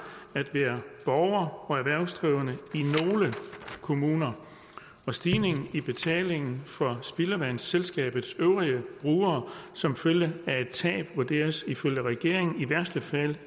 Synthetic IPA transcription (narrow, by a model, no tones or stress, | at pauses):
æd̥ʋæːɐb̥ɒʊɐɒ̽æɐʋæɐ̰ʊsd̥ʁiʊənəino̝ːləkʰo̝muːnɐ | ɒ̽sd̥iːne̝ŋn̩ib̥e̝t͡sʰɛ̰ːle̝ŋn̩fɒ̽sb̥iləʋæn̰selsɡ̥ɛ̰ːb̥ð̩ˠsøʊʁiəb̥ʁuːɐːsɒ̽mføljəæe̝d̥̚t͡sʰɛ̰ːb̥ʋuɐd̥e̝̰ːɐsiføl̰jəʁɛɡ̥e̝ɐ̰e̝ŋn̩iʋæɐsd̥əfæl̰